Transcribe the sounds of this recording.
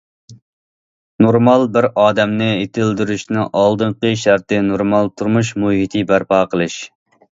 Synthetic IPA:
noɾmɑlˠbɪɾɑːd̪ɛmnɨet̪ʰɪld̪yɾyʃnɪʔɑlˠd̪ɨɴqəʃæɾt̪ɪnoɾmɑlˠt̪ʰuɾmuʃ̬muɦit̪ʰɨbæɾpɑːqʰəlˠɨʃ

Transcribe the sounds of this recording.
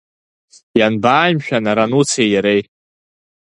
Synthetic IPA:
janbaːjmʃᶣanaɾanut͡sʰejaɾej

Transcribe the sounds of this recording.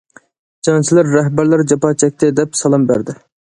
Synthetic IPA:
d͡ʒɑnt͡ʃʰilæɾːæɦbæɾlæɾd͡ʒɑpɑt͡ʃʰɛk̚ʲt̪ʰɪd̪ɛpsɑlˠɑmbæ̰ɾd̪ɪ

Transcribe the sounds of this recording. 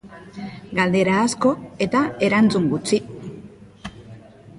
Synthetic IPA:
ɡald̪e̞ɾaːsko̞e̞t̪ae̞ɾant͡suŋɡut͡si

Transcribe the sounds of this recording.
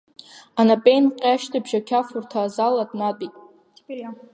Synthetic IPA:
anapʼejnqʲʼaʃtʰabʒakʲʰafurtʰaːzaladʼnatʼitʼ

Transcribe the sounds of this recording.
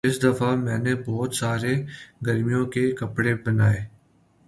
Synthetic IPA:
ɪsd̪ɐfʰamɛ̃ːnebɔːt̪saːɾeɡəɾmijõkekɐpɽebɐnaːeː

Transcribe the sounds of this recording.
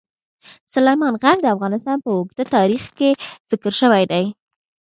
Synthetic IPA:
sʊlajmɑnɣaɡ̚d̪əafɣɑnɪst̪ɑnpəʊɡd̪at̪ɑɾixkez̥ɪkəɾʃəwajd̪aj

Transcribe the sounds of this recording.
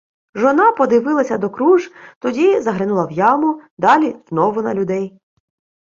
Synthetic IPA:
ʒɔnɑpɔd̪ɪʋɪlˠɐsʲɐd̪ɔkɾuʒt̪ɔdʲizɐɦɾɪnulˠɐwjɑmʊd̪ɑlʲiz̥nɔʋʊnɐ̰lʲʊd̪ɛj

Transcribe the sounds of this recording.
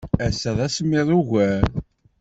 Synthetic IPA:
æsəðˤæsmːiðˤuʝæɾ

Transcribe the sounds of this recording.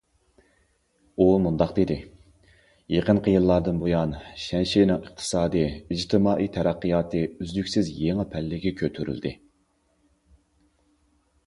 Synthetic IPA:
umund̪ɑqd̪ed̪ɪ | jeqənqʰəjilˠːɑɾd̪ɨnbojɑnʃɛnʃinɨŋəqt̪ʰɨ̥sɑːd̪ɨid͡ʒt̪ʰɪmɑːʔijt̪ʰɛɾæqːəjɑːt̪ʰɨyzlykʲsɪzjeŋɨpʰɛlːɪɡʲɛkʲʰøt̪ʰyɾy̰ld̪ɪ

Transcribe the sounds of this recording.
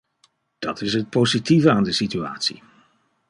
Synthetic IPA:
d̥ɑtɪsɦət̚pozitivəaːndəsitya̰ːtsḭ

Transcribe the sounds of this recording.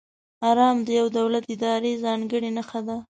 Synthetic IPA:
ɑɾɑmd̪əjawd̪awlat̪ɪd̪ɑɾezɑŋɡəɽinaxad̪a

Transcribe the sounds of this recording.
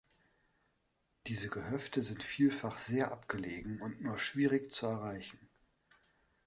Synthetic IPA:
d̥iːzəɡəhœftəzɪntfiːlfaχz̥eːɐʔapɡ̥əleːɡŋ̩ʊntnuːɐʃv̥iːʁɪçt͡suɛɐʁaɪçn̩

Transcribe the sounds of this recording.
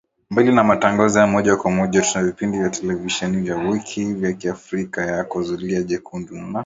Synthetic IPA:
mbilinamataŋɡazɔjamɔʄakwamɔʄatunavipindivjatɛlɛviʃɛnivjawikʰivjakiafɾikajakɔzuliaʄɛkʰunduna

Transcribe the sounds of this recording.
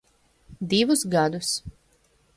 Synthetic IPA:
d̪ivusɡad̪us

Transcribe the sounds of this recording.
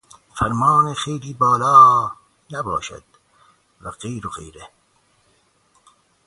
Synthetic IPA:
fæɾmɑːnexejliːbɒːlɑː | næbɒ̰ːʃæ̰d̪̥ | væɢejɾoɣḛjɾe

